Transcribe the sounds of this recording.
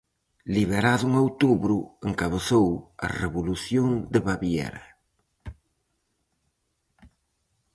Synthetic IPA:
liβeɾaðuŋowt̪uβɾueŋkaβ̞eθowɐ̰reβuluθjoŋd̪eβaβjɛ̰ɾɐ

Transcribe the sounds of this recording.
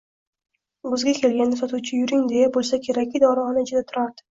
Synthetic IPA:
ɡʊzɡʲakʲʰe̞lɡʲanːɪsɒt̪uwt͡ʃʰɪjʊɾɪŋd̪e̞jabolˠsakʲʰe̞ɾak̚ʲːɪd̪ɒɾɒnɪɪd͡ʒɪd̪at̪ʰʊɾaɾd̪ɪ̥

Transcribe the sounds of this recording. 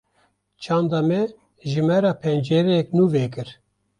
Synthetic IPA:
t͡ʃʰɑːnd̪ɑmɛ | ʒɨmɛɾɑːpʰɛnd͡ʒɛɾɛjɛknuːvɛːkɨɾ

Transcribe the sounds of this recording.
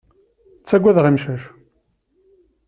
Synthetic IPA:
t͡sːæɡʷæðʁimʃæʃ

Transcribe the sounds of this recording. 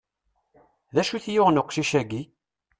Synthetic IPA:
ðæʃuθjʊʁnʊqʃiʃæɡi

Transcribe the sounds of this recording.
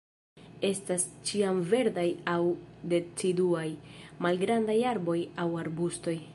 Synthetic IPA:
e̞stast͡ʃiamve̞ɾdajawde̞t͡siduajmalɡɾandajaɾbo̞jawaɾbusto̞j

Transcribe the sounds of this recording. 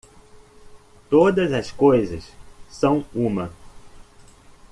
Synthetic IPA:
t̪od̪ɐzɐskojzɐssɐ̃w̃ũmɐ

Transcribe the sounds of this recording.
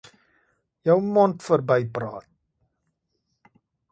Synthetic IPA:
jœwmɔntfərbɛjprɑːt̚

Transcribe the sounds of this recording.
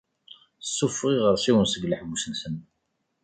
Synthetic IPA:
sːufʁiʁəɾˤsiwənsəɡləħɡusənsən

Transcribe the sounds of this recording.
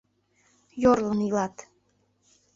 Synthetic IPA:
jorlənilɑt̪

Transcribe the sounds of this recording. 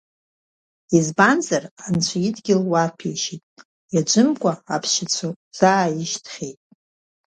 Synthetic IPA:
izbanzarant͡ʃʷʰaidɡʲɪlwarpʰiʃitʼ | jad͡ʒʷɨmkʷʼaapʰʃɪt͡sʷʰo | z̥ajɪʃtʰχʲejtʼ

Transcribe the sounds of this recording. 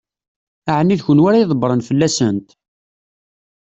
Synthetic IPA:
aʕənːiðçənwæɾæjiðˤbɾˤənfəlːæsənt̪

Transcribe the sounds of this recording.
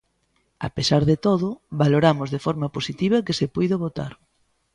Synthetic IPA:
a̰pesaɾðet̪oðʊβaloɾamʊzðefɔɾmɐposit̪iβ̞ɐkesepujðɐβot̪a̰ɾ

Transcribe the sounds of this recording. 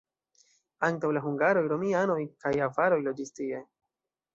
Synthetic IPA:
aŋtawlaɦuŋɡaɾo̞jɾo̞miano̞jkajafaɾo̞jlo̞d͡ʒistie̞

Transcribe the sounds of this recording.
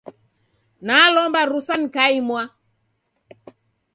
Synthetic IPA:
nalɔmbaɾusanikaimwa

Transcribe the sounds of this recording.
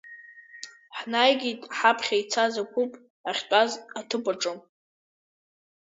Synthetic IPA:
ħnajɡʲitʼħapʰχʲait͡sʰazakʷʰupʼ | aχʲtʷʼazatʰɨpʷʼaʈ͡ʂʼɨm

